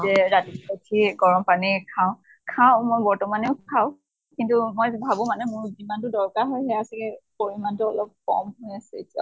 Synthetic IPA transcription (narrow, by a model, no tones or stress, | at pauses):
zɛɹatiotʰiɡɔɹɔmpanikʰaʊ̃ | kʰaʊ̃mojbɔɹtɔmaneʊkʰaʊ̃ | kintumojbʱabʊ̃manɛmʊɹzimantʊdɔɹkaɹɦɔjɦɛasɛɛpoɹimantuɔlɔp̚kɔ̰mɦojasɛetia̰